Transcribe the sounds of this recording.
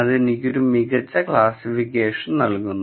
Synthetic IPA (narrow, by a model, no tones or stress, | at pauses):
ɐðe̞nikʲːo̞ɾumiɣɐt͡ɕːɐkɭaːsifikʲːeːʂɐnnɐlkunːu